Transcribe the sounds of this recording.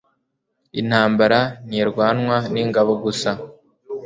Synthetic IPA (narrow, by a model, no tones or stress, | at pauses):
in̥haːmbaɾaniːɾɡwaːnŋwaniŋɡaβoɡusa